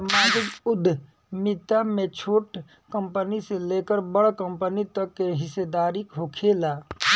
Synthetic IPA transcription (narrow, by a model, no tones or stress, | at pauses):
maːd͡ʒɪkʊd̪ʱ | mɪt̪ːamẽt͡ʃʰoːʈ | kə̃mpəniseleːkəɾbəɽkə̃mpənit̪əkːeɦɪsed̪aːɾikɦokʰeːlaː